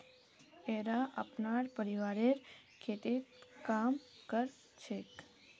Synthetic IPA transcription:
eɾaʔə̰pnaɾpəɾiʋaɾeɾ | kʰet̪et̪kamkəɾ | t͡ʃʰek

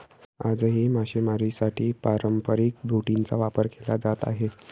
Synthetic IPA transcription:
ad͡zəɦimaɕemaɾisaʈʰiːpaɾəmpəɾik̚bɾuʈint͡sa̰ʋapəɾkʰelad͡zat̪a̰ɦe

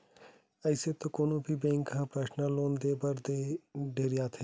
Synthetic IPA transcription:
əɪset̪õkoːnõːbʱiːbẽːŋkaːpɾəʃnãloːnd̪eːbəɾd̪eːɖeːɾɪjaːt̪ʰeː

